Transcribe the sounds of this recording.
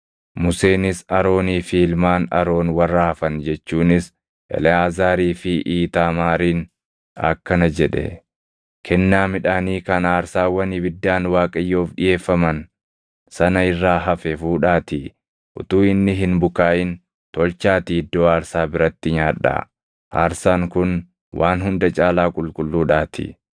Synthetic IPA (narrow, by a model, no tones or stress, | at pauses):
mʊse̞ːnɪsɐɾo̞ːniːfiːlmaːnɐ̰ɾo̞ːnwɐrːɐhɐfɐnd͡ʒɛt͡ʃːuːnɪs | ʔɛ̰lɛaːzaːɾiːfɪʔiːt̪aːmaːɾiːn | ɐ̰kːɐnɐd͡ʒɛᶑɛ̰ | kʰɛnːaːmɪᶑaːniːkɐnaːɾsaːwɐnɪbɪd̪ːaːnwaːkʼɐjːo̞ːfɗɪje̞ːfːɐmɐn | sɐnɐɪrːaːɦɐfɛfuːᶑaːt̪ɪ | ʔʊ̰t̪uːɪnːɪɦɪnbʊkaːʔɪn | t̪ɔlt͡ʃaːt̪ɪd̪ːoːaːɾsaːbɪɾɐt̪ːɪɲaːᶑːa̰ː | ʔa̰ːɾsaːŋkʊn | wʔaːnhʊnd̪ɐt͡ʃʼaːlaːkʼʊlkʼʊlːuːᶑaːt̪ʰɪ̰